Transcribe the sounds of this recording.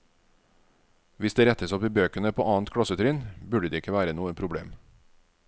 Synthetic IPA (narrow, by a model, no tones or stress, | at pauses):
ʋɪsd̪eːɾɛt̪əsɔpiːbøːkənəpʰoːʔɑːnt̪kʰɽɑsət̪ʰɾʏnbʉɖəd̪iːɪkəʋæːɾənuːənpʰɾʊbɽḛːm